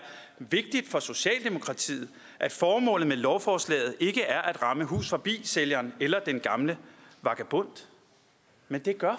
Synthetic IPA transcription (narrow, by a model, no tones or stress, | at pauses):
ʋe̝ɡ̥̚d̥id̥fɒ̽so̝ɕɛ̰ːld̥e̝mo̝kʰʁɑ̈t͡sʰḭːð̞̩ˠ | ʔæd̥fɒːmɔ̰̽ːlð̩ˠmelɒʊfɒːslɛ̰ːð̩ˠʔe̝ɡ̥əʔæɐʔæd̥ʁɑ̈məɦṵːsfɒ̽b̥ḭːseljɐːnelɐd̥enɡ̥ɑ̈mləʋɑ̈ɡ̥æb̥ɔ̽n̰d̥ | mend̥e̝ɡ̥ɶɐ